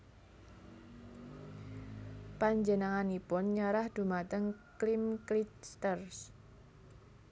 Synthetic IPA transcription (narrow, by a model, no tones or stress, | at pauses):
paɲd͡ʒənaŋanipʊnɲəɾahd̪̥ṳmat̪əŋklimklitst̪ərs